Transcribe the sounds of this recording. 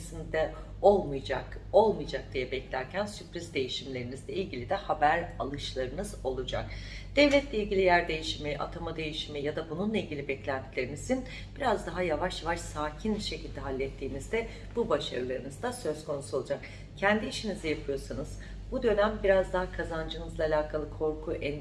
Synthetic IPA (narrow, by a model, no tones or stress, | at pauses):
sind̪ɛ | o̞lˠmujako̞lˠmɯjd͡ʒak̚d̪̥ijɛbɛclʲæɾcʰænsypɾizd̪e̞jiʃimlʲe̞ɾinizlʲɛilʲɟilʲid̪ɛhabæɾa̰lˠɯʃlˠaɾɯnɯzo̞lˠud͡ʒa̰kd̪̥ɛvlʲɛt̪ʰlʲeilʲɟʲilʲijæɾd̪e̞jiʃimɛʔa̰t̪ʰamad̪e̞jiʃimɛjad̪abununlˠailʲɟʲilʲibɛclʲænt̪ʰilʲe̞ɾinizin | b̥iɾazd̪aɦajavaʃjavaʃsaːcʰinʃe̞cʰilʲd̪ɛɦalʲːɛt̪ʰːiːnizd̪ɛ | b̥ubaʃa̰ɾɯlˠaɾɯnɯzd̪asø̞zkʰo̞nusuo̞lˠud͡ʒak | cʰɛnd̪iːʃinizɛjapʰɯjo̞sanɯz̥ | bud̪ø̞næmbiɾazd̪aɦakʰazand͡ʒɯnɯzlˠaːlʲaːkʰalˠɯkʰo̞ɾkʰuʔɛn